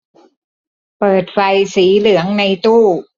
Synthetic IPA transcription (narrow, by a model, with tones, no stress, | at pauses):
pɤː˨˩t̪̚fa˧jsiː˩˦lɯ˩˦əŋna˧jt̪uː˥˩